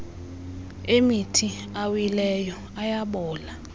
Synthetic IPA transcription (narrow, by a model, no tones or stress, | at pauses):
emitʰi | awilɛjɔ | ajaɓɔːla